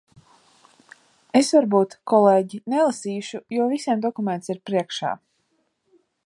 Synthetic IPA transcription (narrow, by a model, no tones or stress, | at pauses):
esvaɾbuːt̪kʰɔleːɟinelˠasiːʃujɔɔvisʲiɛmd̪ɔkument̪siɾpɾiɛkʃa̰ː